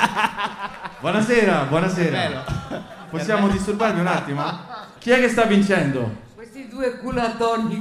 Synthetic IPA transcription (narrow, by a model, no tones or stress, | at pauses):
bwɔnaseːɾabwɔnasɛːɾa | possːjaːmod̪ist̪uɾbaɾviunat̪ːima | k̟iɛkːest̪avːint͡ʃɛnd̪o | w̪id̪uekulat̪ɔn